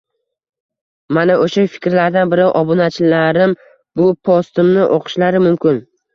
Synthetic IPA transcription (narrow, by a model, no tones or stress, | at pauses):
manaʔoʃafɪ̥kʲɾlaɾd̪anbɪɾɪʔɒbʊnat͡ʃʰlaɾɪm | bʊpʰɒst̪ɪmnɪʔoqʰɨ̥ʃlaɾɪmʊmkʲʰɪn